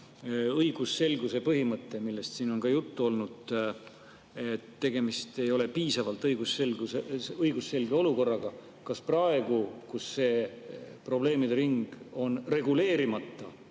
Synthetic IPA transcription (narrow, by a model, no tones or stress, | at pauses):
ɤjɡ̥usːe̞lɡuse̞pɤɦimɤt̪ːe̞milːe̞st̪siːno̞nkɑjut̪ːuo̞lnud̪̥ | et̪ːe̞ɡ̥e̞mist̪e̞jo̞le̞piːsɑvɑlt̪ˑɤjɡ̥uselueɤjɡ̥usːe̞lɡe̞o̞luko̞rːɑɡ̥ɑ | kɑsprɑe̞ɡ̥ukusːe̞ːpro̞ble̞ːmid̪eɾiŋɡ̥o̞nre̞ɡ̥ule̞ːɾimɑt̪ːɑ